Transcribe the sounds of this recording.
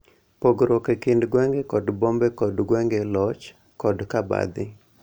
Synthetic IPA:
poɡɾokekɪndɡwɛŋɡɛkɔdbombɛkɔdɡwɛŋɡelɔt͡ʃ | kɔdkaba̰d̪ɪ

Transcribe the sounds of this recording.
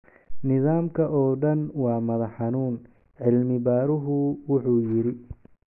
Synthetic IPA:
nɪðaːmkʰɐʔɔːɖɐnwɑːmɐðɐħɑnuːn | ʕɪlmɪbaːɾʊɦʊwʊħuːjɪɾɪ

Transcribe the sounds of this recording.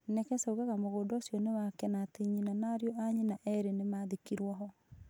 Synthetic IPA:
nɛkɛsɛuɣaɣamoɣoːdosjɔnewakɛnatiɲinanaɾjɔʔaɲinaʔɛɾenemaːðikiɾwɔɦɔ

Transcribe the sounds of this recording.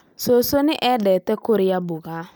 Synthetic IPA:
sosonɪʔɛdɛtɛkoɾɪjabʊɣaː

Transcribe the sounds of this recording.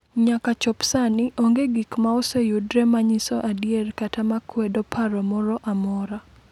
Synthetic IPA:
ɲakat͡ʃɔpsanɪʔoŋɡeɡikmaɔsejudɾɛmaɲisɔʔadierkatamakwɛdɔpʰaɾɔmɔɾɔʔamɔɾa

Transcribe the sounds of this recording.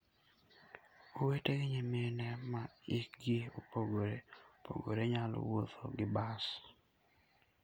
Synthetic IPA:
oweteɡɪɲemenɛmaɪk̚ɡɪopoɡoɾepʰo̰ɡo̰ɾeɲalɔ̰wot̪o̰ɡɪbas

